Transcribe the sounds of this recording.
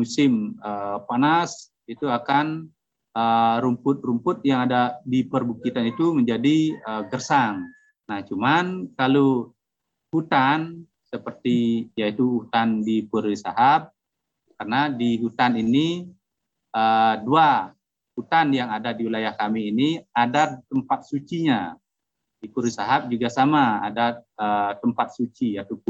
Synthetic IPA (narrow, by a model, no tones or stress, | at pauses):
musɪməpanas | it̪uakan | əɾumpʊt̪̚rumpʊt̪̚jaŋadadipərbukit̪anit̪uməɲd͡ʒadiəɡərsaŋ | naht͡ʃumankalo | hut̪an | səpərt̪ijait̪uhut̪andipuɾisaɦap̚ | karnadiɦut̪anini | ədua | hut̪anjaŋadadiwilajahkamiːniadat̪əmpat̪̚sut͡ʃiɲa | dipuɾisaɦap̚d͡ʒuɡasamaa̰daət̪əmpat̪̚sut͡ʃijat̪u